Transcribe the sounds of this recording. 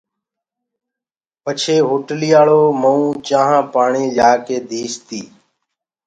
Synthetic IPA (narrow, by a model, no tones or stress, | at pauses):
pət͡ʃʰeːɦoːʈlijaːɭoːməũːt͡ʃãːɦãːpaːɳiːlaːkeːd̪ʱiːst̪iː